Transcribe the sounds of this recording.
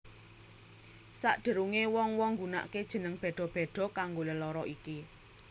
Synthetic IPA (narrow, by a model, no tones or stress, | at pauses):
sa̰ʔɖ̪̥ə̤ɾuŋewɔŋwɔŋɡuna̰ʔked̥ʒ̥ə̤nəŋb̥e̤ɖ̥ɔ̤b̥e̤ɖ̪̥ɔ̤kaŋɡoləlɔɾɔʔiki